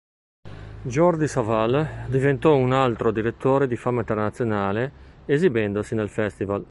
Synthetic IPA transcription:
d͡ʒɔrd͡ʒisavald̪ivent̪ɔunalt̪ɾod̪iɾet̪ʰːoːɾed̪ifamːaint̪ernat̪sːjonaːleezibɛnd̪osinelfɛst̪ival

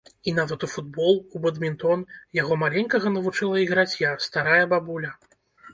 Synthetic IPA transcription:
inavɐt̪ufud̪bɔlˠubɐd̪mʲint̪ɔnjaɣɔmalʲɛnʲkɐɣɐnɐvut͡ʂɨlˠɐiɣɾat͡sʲjast̪aɾajɐbabulʲɐ

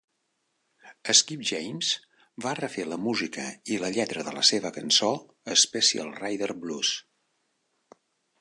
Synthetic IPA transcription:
əskipʒɛjmz | barəfeləmuzikəiləʎɛt̪ɾəðələ̰seβəkənso | əspɛsiə̰lˠrajðərblus

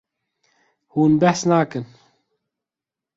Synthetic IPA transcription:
huːnbɛhsnaːkɨn

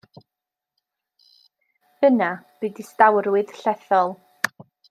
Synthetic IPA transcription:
hənab̥ɨdistawɾwɨð̥ɬɛθɔlˠ

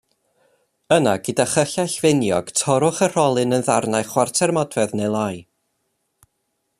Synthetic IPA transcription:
əna̰ɡədaχəɬaɬvɪnjɔɡ̥tʰɔɾʊχər̥ɔlˠɨnənðarnajχwartʰɛrmɔdwɛðnejlˠaj

